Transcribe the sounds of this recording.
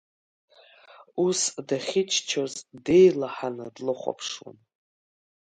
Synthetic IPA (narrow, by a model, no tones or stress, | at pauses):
usdaχʲɪt͡ʃʰt͡ʃʰozde̞jlaħanɨdlɨχʷa̰pʰʂwa̰n